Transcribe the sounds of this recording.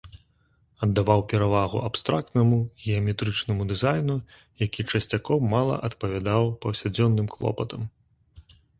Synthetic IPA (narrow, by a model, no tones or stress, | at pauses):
ɐd̪ːavawpʲɛɾavaɣṵʔapst̪ɾak̚t̪nɐmuɣʲɛɐmʲɛt̪ɾɨt͡ʂnɐmud̪ɨzajnu | jakʲit͡ʂɐsʲt͡sʲakɔwmalˠɐ̰ʔɐt̪pɐvʲad̪awpɐwsʲad͡zʲɔnːɨmklˠɔ̰pɐt̪ɐm